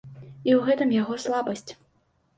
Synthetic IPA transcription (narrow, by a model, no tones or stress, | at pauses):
iwɣɛt̪ɨmjaɣɔslˠabɐsʲt͡sʲ